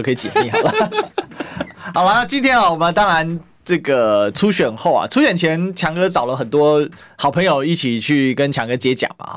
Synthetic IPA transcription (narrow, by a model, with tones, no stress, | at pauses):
kʰɤ˧˥i˨˩t͡ɕɛ˨˩mḭ˥˩xɑ˨˩ʊlə˨˩ | xɑ˨˩ʊla˦na˥˩t͡ɕi˥nt̪ʰjɛ˥na˨wɔ˨˩mə˦nt̪ɑ˥ŋɻa˧˦n | ʈ͡ʂɤ˥˩ɡə˨˩ʈ͡ʂʰu˥ɕɥɛ˨˩nxo˥˩ʊa̰˨˩ʈ͡ʂʰu˥ɕɥɛ˨˩nt͡ɕʰjɛ˧˥nt͡ɕʰjɑ˧˥ŋkɤ˥t͡sɑ˨˩ʊlə˦xə˨˩nt̪wɔ˥ | xɑ˨˩ʊpʰə˧˥ŋjo˨˩ʊi˥˩t͡ɕʰi˨˩t͡ɕʰy˥˩kə˦nt͡ɕʰjɑ˧˥ŋkɤ˥t͡ɕjɛ˧˥t͡ɕjɑ̰˨˩ŋbɐ̰˦